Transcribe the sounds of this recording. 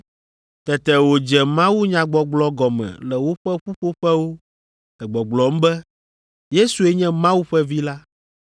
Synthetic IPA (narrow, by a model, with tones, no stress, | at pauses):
t̪ɛ˨t̪ɛ˨wo˨d͡ʒɛ˨mã˦wu˦ɲã˨ɡ͡bɔ˨ɡ͡blɔ˦ɡɔ˨mɛ̰̃˨lɛ˨wo˦ɸɛ˦ɸu˦ɸo˦ɸɛ˦wo˦ | ɛ˨ɡ͡bɔ˨ɡ͡blɔ˨m̩˦bɛ˦ | je˦su˨ɛ˦ɲɛ̃˦mã˦wu˦ɸɛ˦vi˦la˦